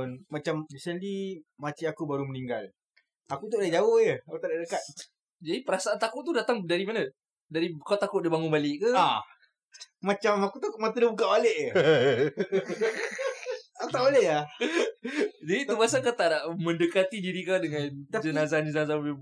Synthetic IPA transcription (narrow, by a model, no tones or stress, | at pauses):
nmat͡ʃamisəndimat͡ʃiakubaɾuməniŋɡal | akut̪̬udad͡ʒawohjəakut̪aʔdaʔdəkat̪̚ | d͡ʒadipəɾasaʔant̪akʊʔt̪udat̪aŋdaɾimana | daɾikat̪akʊʔdibaŋʊnbalɪʔkaa | mãt͡ʃamakut̪umat̪ələbukaʔbaleʔjə | akut̪aʔbalehja | d͡ʒadit̪uɡasakat̪aʔdaʔmə̃ndəkat̪idiɾikadəŋãnd͡ʒənazaand͡ʒənaza